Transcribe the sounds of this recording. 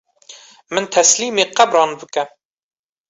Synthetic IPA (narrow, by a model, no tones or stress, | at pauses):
mɨnt̪ʰɛsliːmeːqæbɾɑːnbɨkɛ